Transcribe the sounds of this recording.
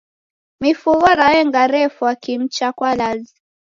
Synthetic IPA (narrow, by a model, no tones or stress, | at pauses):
mifuɣɔɾawɛŋɡaɾɛfuwakim̩t͡ʃakwalazi